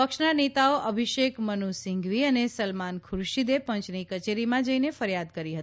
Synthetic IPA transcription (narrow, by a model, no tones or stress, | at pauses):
pəkʃnanet̪aoʔəbʱiʃekmənusɪ̃ŋɡʋiənesəlmankʰʊɾʃid̪epə̃ɲt͡ʃnikət͡ʃeɾimãd͡ʒəinefəɾjad̪kəɾiɦət̪i